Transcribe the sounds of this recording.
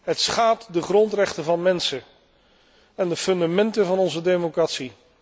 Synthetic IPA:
ɦətsχaːp̚tdəχrɔntrɛχtəvɑnmɛnsə | ɛndəfɵndamɛntəvɑnɔnzədemokratsi

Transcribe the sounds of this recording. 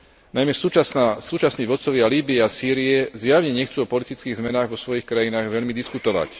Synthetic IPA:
najmɛsussuːt͡ʃasniːʋɔt̪t͡sɔʋɪaliːbiɛasiːɾiɛzjaʋɲɛɲɛxt͡suːɔpɔlit̪it͡skiːɣzmɛnaːɣʋɔsʋɔjixkɾajinaːɣʋɛʎmid̪iskut̪ɔʋa̰c

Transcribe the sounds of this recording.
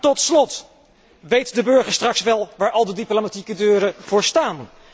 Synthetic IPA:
tɔtslɔt | ʋejtdəbɵɹχəɹstrɑksʋɛlˠʋaːɹʔɑlˠdədiplomatikədøːɾəv̥ʊːɹstaːn

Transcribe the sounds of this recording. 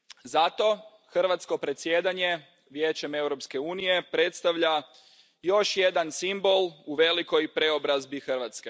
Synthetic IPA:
zat̪o̞ | xr̩ʋat̪sko̞pɾe̞t̪sjed̪aɲe̞ | ʋje̞ːt͡ɕe̞me̞wɾo̞pske̞uːnije̞pɾe̞t̪st̪aʋʎa | jo̞ʃje̞d̪ansimbo̞lˠuʋe̞liko̞jpɾe̞o̞bɾazbixr̩ʋat̪ske

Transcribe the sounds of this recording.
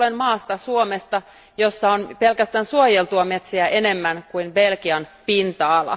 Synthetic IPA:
lenmɑːst̪ɑsuomest̪ɑ | josːɑonpe̞lkæst̪æːnsuojelt̪uɑme̞t̪siæʔene̞mːænkuinbelkiɑnpint̪ɑːlːɑ̰

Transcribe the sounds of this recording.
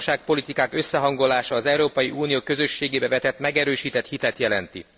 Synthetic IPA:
ʃaːk̚po̞lit̪ikaːkø̞sːɛɦɒŋɡo̞laːʃɒːzɛuɾoːpɒjiʔuːnijoːkø̞zø̞ʃːeːɡeːbɛvɛt̪ɛt̪mɛɡɛɾøːʃiːt̪ɛt̪hit̪ɛt̪jɛlɛnt̪ḭ

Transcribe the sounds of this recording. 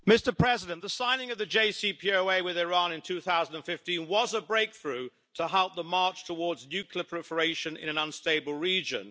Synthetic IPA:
mɪstə˞pʰɹ̥ɛzɪɾɨ̃nðəsãɪ̃nɪ̃ŋʌvðɨd͡ʒeɪsipʰioʊeɪwɪðɪɹɑ̃nɨ̃ntʰʉθaʊzə̃ndə̃nfɪftĩnwʌzəbɹeɪk̚θɹʉ | tʰəɦɛlˠp̚ðəmɑɹt͡ʃtʰəwɔɹdznjʉkʰliəpʰɹ̥ɛpə˞eɪʃɨ̃nɪ̰̃ñɨ̃nʌ̃nsteɪbəlˠɹid͡ʒɨ̰̃n

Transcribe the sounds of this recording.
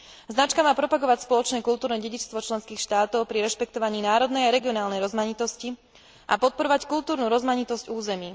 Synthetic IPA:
znat͡ʃkamaːpɾɔpaɡɔʋacspɔlɔt͡ʃnɛːkulˠt̪uːɾnɛɟɛɟit͡ʃst̪ʋɔt͡ʃlɛnskiːxʃt̪aːt̪ɔʊpɾiɾɛʃpɛkt̪ɔʋaɲiːnaːɾɔd̪nɛjaɾɛɡiɔnaːlnɛjɾɔzmaɲit̪ɔsci | ʔa̰pɔt̪̚pɔɾɔʋackult̪uːɾnuɾɔzmaɲit̪ɔzɟuːzɛmiː

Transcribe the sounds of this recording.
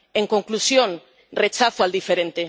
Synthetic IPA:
eŋko̞ŋklusjo̞n | ret͡ʃaθoald̪ifeɾent̪e

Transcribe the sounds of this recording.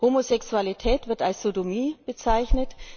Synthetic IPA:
hoːmozɛksualitʰɛːtv̥ɪɐtalsz̥odomiːb̥ət͡saɪçnət

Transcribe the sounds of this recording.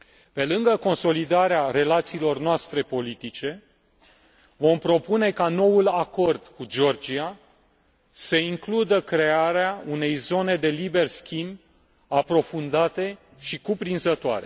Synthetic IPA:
pe̞lɨŋɡəko̞nso̞lid̪aɾeare̞lat̪siːlo̞rnoast̪ɾe̞po̞lit̪it͡ʃe̞ | vo̞mpɾo̞pune̞kano̞wulako̞rd̪̥kud͡ʒo̞rd͡ʒia | səiŋklud̪əkɾe̞aɾeaune̞jzo̞ne̞d̪e̞libe̞rskʲimb | apɾo̞fund̪at̪e̞ | ʃikupɾinzət̪oa̰ɾe̞̰

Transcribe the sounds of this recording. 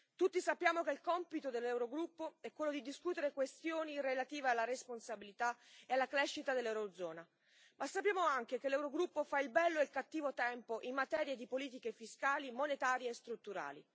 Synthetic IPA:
t̪ut̪ːisapːjaːmokelkɔmpit̪od̪elːɛwɾoɡɾupːoɛkːwelːod̪id̪iskuːt̪eɾekwest̪joːnirelat̪iːvealːaɾesponsabilit̪aealːakɾɛʃːit̪ad̪elːɛwɾod̪zɔːna | masːapːjaːmoaŋk̟ekelɛwɾoɡɾupːofailbɛlːoelkat̪ːiːvot̪ɛmpoʔimːat̪ɛːɾjed̪ipoliːt̪̬ikefiskaːlimonet̪aːɾjeːst̪ɾut̪ːuɾa̰ːli

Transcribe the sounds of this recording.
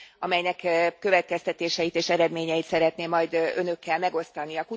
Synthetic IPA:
ɒmɛjnɛkkø̞vɛt̪̚kɛst̪ɛt̪eːʃɛjit̪eːʃɛɾɛd̪meːɲɛjit̪sɛɾɛt̪neːmːɒjd̪ø̞nø̞kːɛlmɛɡo̞st̪ɒniɒku

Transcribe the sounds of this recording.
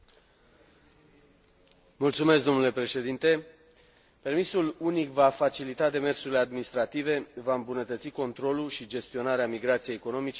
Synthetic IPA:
mult̪sume̞s̬k̚d̪o̞nule̞pɾe̞ʃe̞d̪int̪e̞ | pe̞rmisulunikvafat͡ʃilit̪ad̪e̞me̞rsuɾile̞ad̪̚minist̪ɾat̪ive̞vaɨmbunət̪ət̪siko̞nt̪ɾo̞luʃid͡ʒe̞st̪io̞naɾeamiɡɾat̪sijejːeko̞no̞mit͡ʃe

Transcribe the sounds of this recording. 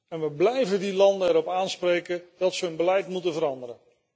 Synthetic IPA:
ɛnʋəblɛjvədilɑndənɛɾɔpaːnsprejkəd̥ɑtsəənbəlɛjtmutənvəɾɑndəɾən

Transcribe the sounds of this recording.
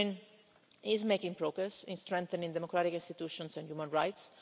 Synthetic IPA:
n | ɪzmejkĩŋpɾoɡɾɛsɪ̃nst̪ɾɛ̃ŋkθənĩŋd̪ɛmokɾat̪ikĩnst̪it̪uʃɔ̃nsɛ̃ndjumə̃nɹajt̪s

